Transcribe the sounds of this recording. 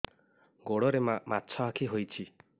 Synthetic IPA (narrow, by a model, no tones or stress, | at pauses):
ɡoɽɔɾemamatːt͡ʃʰɔakʰiɦojt͡ʃʰi